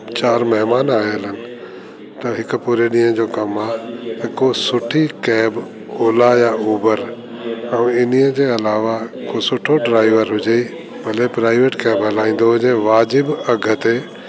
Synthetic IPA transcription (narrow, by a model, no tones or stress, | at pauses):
t͡ɕaːɾmɛɦmaːnaːeələnɪ̆ | t̪ɐɦɪkpuːɾeɗĩːjə̃d͡ʑoːkɐmaːɐkosʊʈʰikɛːb | oːlajauːbəɾ | əũɪniə̃d͡ʑeːɐlaːʋakosʊʈʰoɖɾaːɪʋəɾɦʊd͡ʒei | bʱɐlepɾaːɪʋeːʈkɛːbɦɐlaːĩːn̆d̪oɦʊd͡ʑeʋaːd͡ʑɪbɐɡʱət̪e